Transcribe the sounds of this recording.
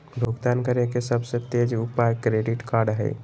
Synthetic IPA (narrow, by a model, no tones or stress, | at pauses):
bʱoɡt̪aːnkəɾekesɐbset̪eːd͡ʒʊpajkɾeːɖɪʈkaːɾɖɦɛ̰ː